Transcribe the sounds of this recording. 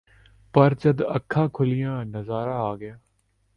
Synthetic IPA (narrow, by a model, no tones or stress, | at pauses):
pəɾt͡ʃəd̪əkʰːãːkʰʊlɪjãːnəzaːɾaːaːɡɪjaː